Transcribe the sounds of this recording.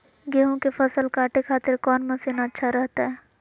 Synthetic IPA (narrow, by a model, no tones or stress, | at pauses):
ɡeːɦõkefɐsəlkaːʈekʰaːt̪ɪɾkɔːnmẽsenaətːʃʰaɾɛɦt̪aɦɛː